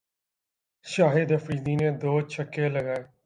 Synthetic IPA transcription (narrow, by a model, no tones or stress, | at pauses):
ʃaːɦɪd̪əfɾiːd̪iːnẽːd̪oːt͡ʃʰəkːeːləɡaːeː